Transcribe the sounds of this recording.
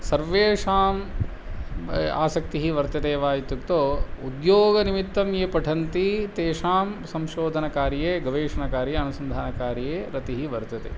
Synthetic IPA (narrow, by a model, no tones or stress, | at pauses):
sɐɾʋeːʃaːm | a̰ːsɐk̚t̪iɦiʋɐɾt̪ɐd̪eːʋaːjit̪ːukt̪oːud̪joːɡɐnimit̪ːɐmjeːpɐʈʰɐnt̪it̪eːʂaːmsɐ̃mʃoːd̪ʱɐnɐkaːɾjeːɡɐʋeːʃɐnɐkaːɾjeɐnusɐnd̪ʱaːnɐkaːɾjeːɾɐt̪iɦiʋɐɾt̪ɐt̪ḛː